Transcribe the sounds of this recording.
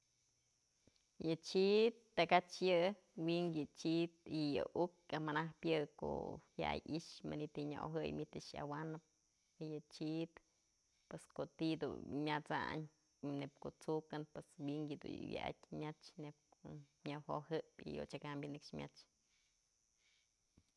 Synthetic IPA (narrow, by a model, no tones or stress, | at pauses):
jɨt͡ʃit̪ːakat͡ʃjɨ | wiŋɡjɨt͡ʃit̪̚ijɨ̰ʔuk̚amanahpjɨko̰hja̰jiʃma̰nit̪iɲaʔoɦɨjmʲit̪ɨʃja̰wanɨp̚ | jɨt͡ʃit̪ | pweskot̪id̪ṵmʲat͡sa̰ɲ | nep̚koʔt͡sukɨnpweswiŋɡjɨd̪ṵwja̰ʔa̰tʲmʲat͡ʃnep̚ko | ɲawhohɨpḭjo̰t͡ʃakambjɨnɨkʂmʲa̰t͡ʃ